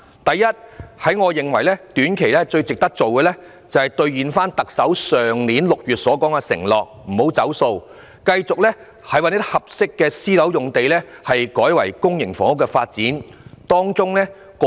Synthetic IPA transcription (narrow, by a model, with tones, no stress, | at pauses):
t̪ɐ˨jːɐ˥t̚hɐ˨˥jŋɔː˨˧jɪ˨ŋwɐ˨˩jlɛː˥t̪yː˨˥nkʰe˨˩jlɛː˥t͡ʃɵ˧ɥt͡sɪ˨k̚t̪ɐ˥k̚t͡so˨wɡɛː˧lɛ˥ | t͡sɐ˨whɐ˨jt̪ɵ˧ɥjiː˨˧nfaː˥nt̪ɐ˨k̚sɐ˨˥wsœː˨ŋniː˨˥nlʊ˨k̚jyː˨t̚sɔː˨˥kɔː˨˥ŋɛː˧sɪ̰˨˩ŋlɔː˨k̚m̩˨˩ho˨˥wt͡sɐ˨˥wso˧w | kɐ˧jt͡sʊ˨k̚lɛː˥ | hɐ˨jwaː˨˥nj̚hɐ˨p̚sɪ˥kːɛː˧siː˥lɐ˨˥wjʊ˨ŋt̪e˨jlɛː˥hɐ˨jkɔː˨˥jwɐ˨˩jkʊ˥ŋjɪ˨˩ŋfɔ̰ː˨˥ŋʊ˥kːɛ˧faː˧t̚t͡siː˨˥nt̪ɔː˥ŋt͡sʊ˥ŋlɛː˥ | kː